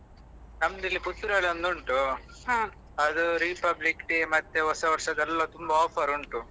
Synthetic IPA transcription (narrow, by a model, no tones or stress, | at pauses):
nɐmd̪ilːikut̪ːuɾɐlɐnd̪uɳʈu | ɦãː | ɐd̪uɾiːpɐblikʈimɐt̪ːeɦɔsɐʋɐɾʂɐd̪ɛlːɐt̪umbɐɔːpʰɐɾuɳʈu